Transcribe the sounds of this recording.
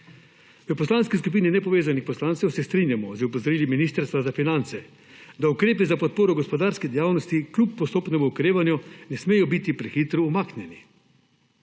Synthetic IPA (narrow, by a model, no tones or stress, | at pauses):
ʋəpɔslanskiskup̬iːninɛpɔʋeːzanixpɔslaːnt̪sɛwsɛst̪ɾiːnjamɔzəupɔzɔɾiːliminiːst̪əɾst̪ʋazafinant̪sɛ | d̪aukɾeːpizapɔt̪̚poːɾɔɡɔspɔd̪aːɾskid̪ɛjaːwnɔst̪iklʲupːɔst̪oːpnɛʋɔukɾeːʋanjɔnɛsmeːjɔbit̪ipɾɛxiːt̪ɾɔumaːknjɛni